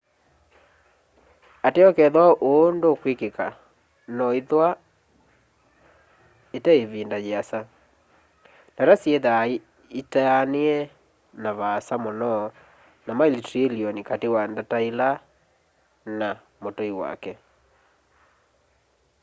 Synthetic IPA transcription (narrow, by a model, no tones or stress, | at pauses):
ateɔkɛðwaʔondokwekeka | nɔiðwa | etaeβiːndajeasa | ndaɾasjeðai | itaneɛ | naβasamɔnɔ | namailitiliɔnikatewandataila | na | motoiwa̰kɛ